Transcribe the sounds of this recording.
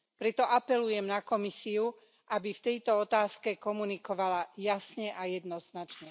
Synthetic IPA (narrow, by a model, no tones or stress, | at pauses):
pɾɛt̪ɔʔapɛlujɛmnakɔmisiu | ʔabift̪ɛjt̪ɔɔt̪aːskɛkɔmunikɔʋalajasɲɛʔajɛd̪nɔznat͡ʃɲɛ